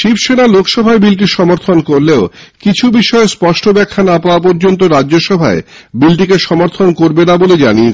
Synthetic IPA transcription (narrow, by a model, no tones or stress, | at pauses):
ʃibʃeɽalokʰʃɔbʱaebilʈ̬iʃɔmoɾt̪ʰonkoɾleokit͡ɕʰubiʃɔespɔʃʈʰobɛkʰːanapaoap̬ɔɾd͡ʑont̪̬oɾadd͡ʑoʃɔbʱa̰ebilʈ̬ikeʃɔmoɾt̪ʰonkoɾbenaboled͡ʑaniet͡ɕʰ